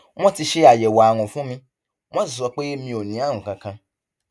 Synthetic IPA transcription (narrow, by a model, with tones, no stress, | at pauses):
mɔ̃˦ti˧ʃe˦a˨jɛ˨wa˨wɔ̃˨fũ˦mĩ˧ | mɔ̃˦˨zɔ˨˦k͡pe˦mĩ˧˦o˨nĩ˨˦a˦˨ŋ̩ũ˨kã˨kʰã˧